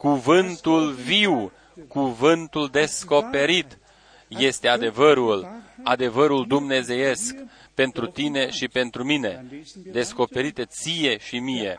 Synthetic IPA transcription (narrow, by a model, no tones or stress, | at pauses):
kuvɨnt̪ulviw | kuvɨnt̪uld̪e̞sko̞pe̞ɾit̪ | je̞st̪e̞ad̪e̞vəɾulad̪e̞vəɾuld̪umne̞ze̞je̞sk | pe̞nt̪ɾut̪ine̞ʃipe̞nt̪ɾumine̞d̪e̞sko̞pe̞ɾit̪et̪sije̞ʃimije̞